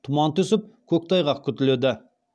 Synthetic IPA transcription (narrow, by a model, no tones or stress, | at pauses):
t̪ʰʊmɑnt̪ʏsɪp̚kʲʰɵk̚ʲt̪ʰɑjʁɑqkʲʰʏt̪ɪled̪ɪ